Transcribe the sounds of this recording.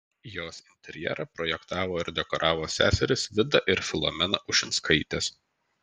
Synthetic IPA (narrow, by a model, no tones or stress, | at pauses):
joːsɪnʲt̪ʲɛɾʲjɛ̰ɾɐpɾɔjɛkt̪ɑːʋoːɪɾd̪ʲɛkɔɾʔɑːʋoːsʲæ̰ːsʲɛɾʲɪsʋʲɪd̪ɐʔɪɾfʲɪlˠɔ̰mʲɛnɐʔʊʃʲɪnt̪skɐɪt̪ʲɛs